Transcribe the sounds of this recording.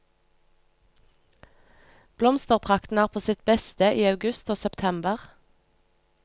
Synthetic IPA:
b̥lɔmst̪əʁpʰʁɑkt̪n̩æːʁpʰoːsɪt̪bɛst̪əʔiːɑʉɡʉst̪oːsɛpt̪ʰɛmbəʁ

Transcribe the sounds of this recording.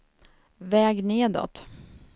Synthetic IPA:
vɛːɡneːd̪ɔ̰t̪

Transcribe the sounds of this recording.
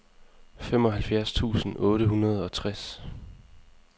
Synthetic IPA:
femɒ̽ɦælfjæɐst͡sʰṵːsn̩ʔɔ̽ːɾəɦunɐð̞̩ˠɒ̽t͡sʰʁas

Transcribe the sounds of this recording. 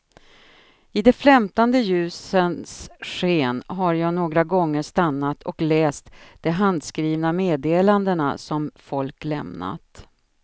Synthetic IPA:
ɪd̪ɛflɛmt̪and̪əjʉ̟ːsənsɧeːnɦaɾjɑːɡnoːɡɾaɡɔŋːəʂt̪anːat̪ʰɔklɛːst̪d̪̥ɛɦand̪skɾiːvnameːd̪eːland̪əna̰sɔmfɔlklɛ̰mna̰t̪

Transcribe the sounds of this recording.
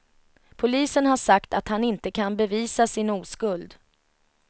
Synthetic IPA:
pʰʊliːsənɦaʂakt̪at̪hanɪnt̪əkʰanbɛviːsasɪnuːskɵld̪

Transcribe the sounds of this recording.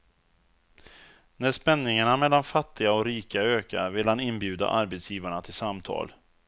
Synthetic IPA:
næʂpɛnːɪŋaɳamɛlːanfat̪ʰːɪɡaɔkɾiːkaøːka̰vɪlhanɪnbjʉ̟ːd̪a̰ʔaɾbɛt̪sjiːvaɳat̪ʰɪlsamt̪ʰɑ̰ːl

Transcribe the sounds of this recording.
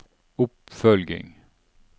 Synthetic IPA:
ʊpfœlɡɪ̰ŋ

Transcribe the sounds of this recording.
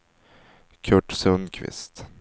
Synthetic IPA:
kʲʰœʈsɛunkʲʰʋɪ̰st̪

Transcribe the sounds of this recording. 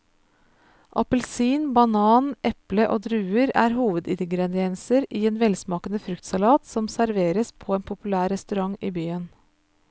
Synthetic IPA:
ʔɑpəlsiːnbɑnɑːnʔɛpləʔoːd̪ɾʉːəɾæ̰ːɾhuːʋəd̪ɪd̪ɡɾɛd̪ɪɛnsəɾʔiːeːnʋɛlsmɑːkənəfɾʉkt̪sɑlɑːt̪sɔmsæɾʋeːɾəspʰɔːeːnpʰʊpʉlæːɾɛst̪ʉɾɑŋiːbyːən

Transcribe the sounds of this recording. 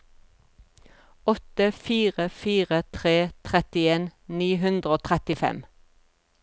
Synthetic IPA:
ɔt̪əfiːʁəfiːʁət̪ʰʁeːt̪ʰʁɛt̪ɪeːnniːɦʉnd̪ʁəoːt̪ʰʁɛt̪ɪfɛ̰m

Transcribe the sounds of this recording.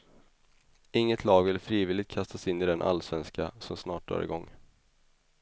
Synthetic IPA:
ɪŋːət̪ʰlɑːɡvɪlfɾiːvɪlɪt̪̚kʰast̪asɪnːɪd̪ɛnʔa̰lːsvɛnskasɔmsnɑːʈ̚dœ̰ːɾɪ̰ɡɔŋː

